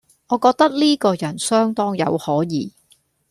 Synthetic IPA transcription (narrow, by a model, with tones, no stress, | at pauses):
ŋɔː˨˧kɔː˧k̚t̪ɐ˥k̚liː˥kɔː˧jɐ˨˩nsœː˥ŋt̪ɔː˥ŋjɐ̰˨˧whɔː˨˥jiː˨˧